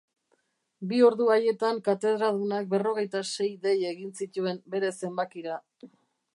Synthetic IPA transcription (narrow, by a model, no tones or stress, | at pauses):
bio̞ɾðuaje̞t̪aŋkat̪e̞ð̞ɾalðunak̚be̞ro̞ɣ̞e̞jt̪ase̞jðe̞je̞ɣinsit̪ue̞mbe̞ɾe̞se̞mbakiɾa